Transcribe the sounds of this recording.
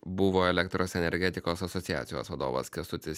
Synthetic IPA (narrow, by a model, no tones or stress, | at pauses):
bʊʋoːɛlʲɛkt̪ɾoːsɛnʲɛɾʲɡʲɛt̪ʲɪkoːsɐsɔt̪sʲɪjæ̰ːt̪sʲɪjo̰ːsʋɐd̪o̰ːʋɐ̰skʲɛst̪ʊt̪ʲɪs